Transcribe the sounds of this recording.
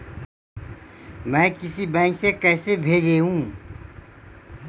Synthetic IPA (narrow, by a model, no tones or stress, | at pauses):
mɛ̃ːkɪsibɛ̃ːŋksekɛːsebʱeːd͡ʒeːɦũː